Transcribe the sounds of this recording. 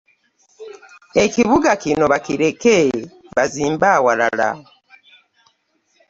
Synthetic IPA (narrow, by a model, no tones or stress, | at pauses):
e̞ciβuɡakino̞βakiɾe̞ke | βaziːmbaːwala̰la̰